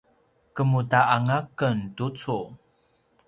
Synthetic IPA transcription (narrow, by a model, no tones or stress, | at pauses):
kəmutaʔaŋakəntut͡su